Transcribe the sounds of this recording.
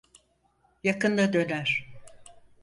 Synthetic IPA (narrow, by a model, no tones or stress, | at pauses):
jakɯnd̪ad̪ø̞næɾ̥